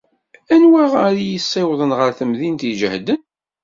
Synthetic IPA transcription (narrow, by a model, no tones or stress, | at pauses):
ænwæʁaɾijəsˤːɪwðˤənʁəɾθəmðint̪iʒəhd̪ən